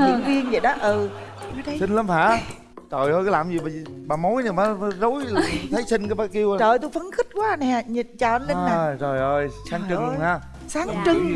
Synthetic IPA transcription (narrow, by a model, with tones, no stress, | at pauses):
ɲɨ̰˧˥˨ŋvi˧ənzə̰˧˨jɗɔ˨˦ʔəː˨˩˨ | sï˧ŋ̟lə˨˦mhaː˧˩˥ | t͡ɕəː˨˩jhəː˧jkːlaː˨˩mzi˨˩ɓa˨˩˨ɓaː˨˩mo˨˦jɲɨ˨˩maː˨˦˨zo˨˦jt̪ʰə˨˦jsï˧ŋkaː˨˦jɓaː˨˧˩ki˧əwa˧t͡ɕəː˨˩jt̪u˧fə˨˦nxï˦˥t̚kwaː˨˦˨nɛ˨˩˨ɲi˨˩t̚t͡ɕa˧˩ə˨˦nle˧˦nn˨zo˨˩jʔəː˨˩jsaː˨˦ŋt͡ɕɨ˧ŋ˨haː˧˩ | saː˨˦˨t͡ɕɨ˧ŋ